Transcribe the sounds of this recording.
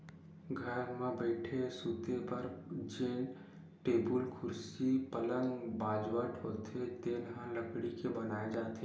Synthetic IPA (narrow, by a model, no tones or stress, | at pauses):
ɡʱəɾmẽbɛɪʈʰesuːt̪epəɾd͡ʒeːn | ʈeːbʊlkʰʊɾsipələ̃ŋɡbaːd͡ʒwəʈɦoːt̪et̪eːnɦãləkɽikebənaːed͡ʒaːt̪e